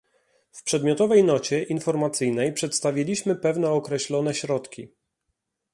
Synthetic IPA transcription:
fpʂɛd̪mʲjɔt̪ɔvɛjnɔt͡ɕɛʔinfɔɾmat̪sɘjnɛjpʂɛt̪st̪avʲjilʲiɕmɘpɛvnɛɔkɾɛɕlɔn̪ɛɕɾɔt̪kʲi

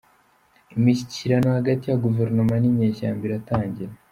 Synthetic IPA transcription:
imiciciɾano̞haɡatijaɡuveɾnomanimɲeːʃaːmbiɾataːɲɟiɾe

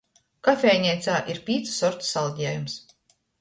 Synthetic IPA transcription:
kafʲɛjɲʲɛjt̪saːʔiɾpʲiːt̪su̥sɔɾt̪u̥salˠɟ̪ʲɛːjums

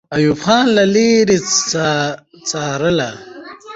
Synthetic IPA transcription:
ɐjufχaːnlaliɾiat͡saːɾəla

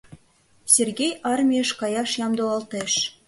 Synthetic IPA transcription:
sʲerɡʲejʔɑrmʲeʃkɑjɑʃjɑmd̪oɑlˠt̪ĕʃ

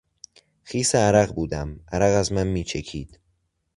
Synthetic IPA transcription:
xiːseæɾæɣbuːd̪æmʔæɾæɣæzmænmiːt͡ʃʰecʰiːd̪̥

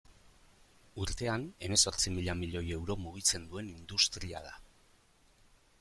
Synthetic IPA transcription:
uɾt̪e̞ane̞me̞so̞ɾt͡simiʎamiʎo̞je̞wɾo̞muɣ̞it͡se̞nd̪ue̞nind̪ust̪ɾia̰ð̞a

